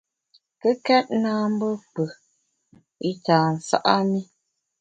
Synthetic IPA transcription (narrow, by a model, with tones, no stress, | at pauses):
kə˦kɛ˦t̚naː˦m̩˦bə˦k͡pə˨ | i˦taː˨n̩˨sa̰˦ʔa˦ni˦